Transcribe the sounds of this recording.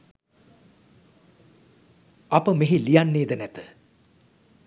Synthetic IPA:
apəmeɦilijanːeːd̪ənɛt̪ə̥

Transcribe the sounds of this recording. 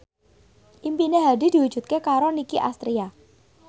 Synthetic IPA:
ʔimpineɦadi̤d̪̥i̤wu̥d͡ʒ̥ṳt̪̚kekaɾɔnikiʔa̰st̪ɾia

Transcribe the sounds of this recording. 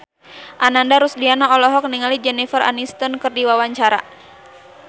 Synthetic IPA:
ʔanandaɾusdianaɔlɔɦɔk̚niŋalid͡ʒɛnifərʔa̰nist̪ɔnkɨrdiwawaɲt͡ʃaɾa̰

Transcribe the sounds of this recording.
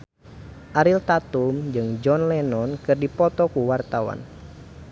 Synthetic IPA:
ʔaɾilt̪at̪umd͡ʒɨŋd͡ʒɔnlɛnɔnkɨrdipɔt̪ɔkuwart̪awa̰n

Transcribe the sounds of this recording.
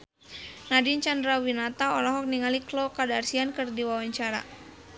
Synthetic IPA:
nadint͡ʃandɾawinat̪aɔlɔɦɔk̚niŋaliklɔkadarsiankɨrdiwawaɲt͡ʃaɾa̰

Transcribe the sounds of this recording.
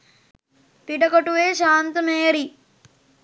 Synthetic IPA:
piʈɐkoʈuʋeːʃaːnt̪ɐmeːɾi

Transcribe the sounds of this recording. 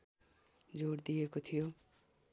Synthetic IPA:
d͡ʒoːɽd̪ieːkot̪ʰijoː

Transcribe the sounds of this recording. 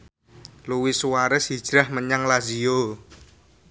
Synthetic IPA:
luwiswaɾəsi̥ʒ̥ɾahməɲaŋlazio

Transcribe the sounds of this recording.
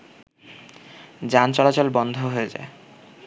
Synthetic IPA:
d͡ʑant͡ɕɔlat͡ɕolbɔnd̪ʱoɦoed͡ʑa̰e

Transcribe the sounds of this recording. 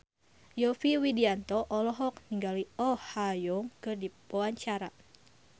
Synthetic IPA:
jɔfiwidiant̪ɔʔɔlɔɦɔk̚niŋɡaliɔhajɔŋkɨrdipoaɲt͡ʃaɾa

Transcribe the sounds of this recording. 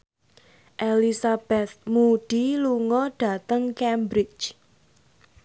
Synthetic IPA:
ʔelisab̥ɛt̪̚muɖ̥iluŋɔɖ̥a̤t̪əŋkɛmbɾɪt͡ʃ

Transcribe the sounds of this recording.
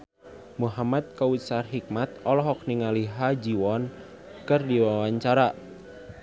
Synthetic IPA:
muɦamat̪̚kawusarɦik̚mat̪̚ɔlɔɦɔk̚niŋaliɦad͡ʒiwɔn | kɨrdiwawaɲt͡ʃaɾa

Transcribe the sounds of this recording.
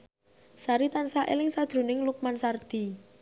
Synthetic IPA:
saɾit̪ansaʔḛlɪŋsad̥ʒ̥ɾṳnɪŋluk̚mansard̪̥i̤

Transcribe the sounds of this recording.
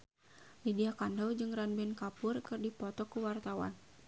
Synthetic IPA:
lidiakandawd͡ʒɨŋranbɛnkapʊrkɨrdipɔt̪ɔkuwart̪awa̰n

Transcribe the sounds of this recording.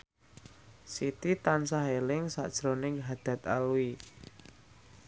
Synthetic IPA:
sit̪it̪ansaɦelɪŋsa̰ʔd̥ʒ̥ɾonɪŋɦad̪̥ä̤t̪a̰lui

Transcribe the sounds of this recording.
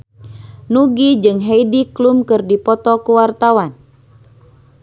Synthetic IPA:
nuɡid͡ʒɨŋɦɛidiklumkɨrdipɔt̪ɔkuwart̪awan

